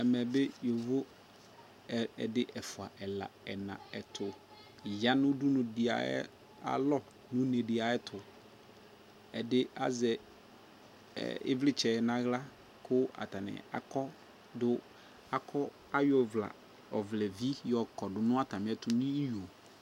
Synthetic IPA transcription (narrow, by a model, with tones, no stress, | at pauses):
ɛ˨mɛ˨bɪ˦jo˨vʊ˦˨ | ɛ˨dɪ˦ʔɛ˨fʊ˨a˨ʔɛ˨la̰˨ɛ˨nã̰˨ɛ˨tʰʊ˨ | ja˦nʊ̃˦du˦nʊ̃˨dɪ˨a̰˨ɛ̰˦ | a̰˨lɔ˦ | nʊ̃˦nɛ̃˨dɪ˨a˨ɛ˦tʰʊ˨ | ɛ̰˨dɪ˦a̰˦zɛ˨ | ɪ̰˦vlɪ˦t͡ʃʰɛ˨ɛ˨nã˦ɣla˦ | kʰʊ˦a̰˨ta˨nɪ̰̃˨a̰˨kɔ˦ | dʊ˦ | a˨kʰɔ˦ | a˦jɔ˦vla̰˨ | ɔ˨vlɛ˨vi˦jɔ˨kɔ˨dʊ˨nʊ̃˦a˦tʰa˨m˨˦ɛ˦tʊ˨nĩ˦i˦ju˨o˨